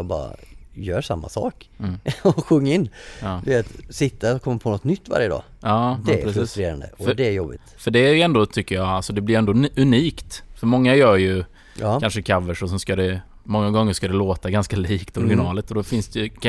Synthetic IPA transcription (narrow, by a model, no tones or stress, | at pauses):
bɑ̰ːɾa̰jœːʂa̰mːa̰sɑ̰ːkː | ɔɧɵŋːaɪnːd̪ɪvet̪sɪt̪ːakʰɔmːapʰɔnɔt̪nʏt̪ːva̰ɾjəd̪ɑ̰ː | ɑːd̪ɛɾɛsfɾɵst̪ɾeːɾa̰nd̪ə̰ɔd̪ɛæɾjɔbɪ̰fœɖɛæɾjɛnd̪ɔt̪ʰʏkːəjɑalsɔd̪ɛblɪɾɛnd̪ɔɵniːkt̪fœɾmɔŋːajœːɾjɵ | kanʂəkʰavəʂɔsɔmskad̪ɛ | mɔŋːaɡɔŋːəʂkad̪ɛloːt̪aɡanskaliːkt̪ɔɾɡɪnɑːlət̪ɔd̪ɔfɪnsd̪ɛj